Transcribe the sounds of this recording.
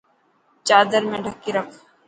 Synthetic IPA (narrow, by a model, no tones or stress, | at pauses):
t͡ʃaːd̪əɾmẽːɖʱəkːiːɾəkʰ